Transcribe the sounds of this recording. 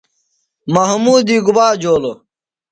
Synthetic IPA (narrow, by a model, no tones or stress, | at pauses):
mɐɦmuːd̪iːɡubaːd͡ʑoːlo